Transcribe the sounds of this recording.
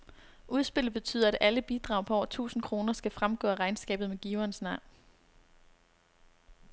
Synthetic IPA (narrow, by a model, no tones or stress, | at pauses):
ʔuð̞ˠsb̥e̝l̰̩ˠb̥e̝t͡sʰy̰ːð̞̰ˠɐæd̥æləb̥id̥ʁɑ̈ʊ̰pʰɒ̽ɒ̰t͡sʰṵːsn̩kʰʁo̝ːnɐsɡ̥æfʁamɡ̥ɔ̰̽ːæʁɑ̈ɪnsɡ̥ɛ̰ːb̥ð̩ˠmeɡ̥iːʊɐːnsnɑ̈ʊ̰n